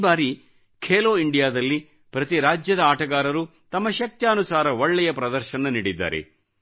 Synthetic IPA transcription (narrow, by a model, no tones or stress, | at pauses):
baːɾi | kʰeːloːiɳɖijaːd̪ɐlːi | pɾɐt̪iɾaːd͡ʒjɐd̪ɐaːʈɐɡaːɾɐɾu | t̪ɐmːɐʃɐk̚t̪jaːnusaːɾɐɔɭːɛjɐpɾɐd̪ɐɾʃɐnɐniːɽid̪ːa̰ːɾḛ